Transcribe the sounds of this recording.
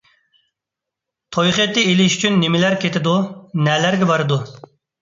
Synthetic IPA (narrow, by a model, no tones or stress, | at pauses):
t̪ʰojχɨt̪ːɪelɪʃy̥t͡ʃʰynːɪmɪlæɾkʲʰet̪ʰɪd̪unɛlæɾɡʲɛbɑɾɨd̪u